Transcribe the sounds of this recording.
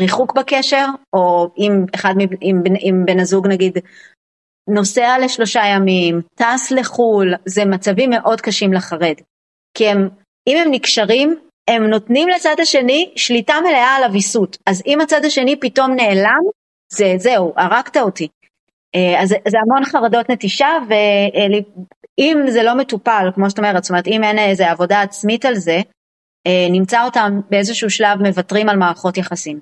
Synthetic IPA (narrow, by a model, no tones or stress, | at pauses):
ʁiχukbake̞ʃe̞ʁo̞imeχadmiimbimbenazuɡnaɡid | no̞seale̞ʃlo̞ʃajamimtasle̞χulzemat͡savimːe̞ʔo̞dkaʃimleχaʁe̞d | kie̞m | ime̞mnikʃaʁim | e̞mno̞tnimlet͡sadaʃe̞niʃlitamele̞aːlavisutazimat͡sad̪aʃe̞nipito̞mne̞ːlam | ze̞ze̞uʔaʁaktaoti | eazzeamo̞nχaʁado̞tne̞tiʃave̞liimze̞lo̞me̞tupalkmoʃ̬taome̞ʁetstome̞etimenezeavo̞daːt͡smitalze | enimt͡sao̞tambeezeʃuuʃlavme̞vatʁimalmaːʁχo̞tjaχasim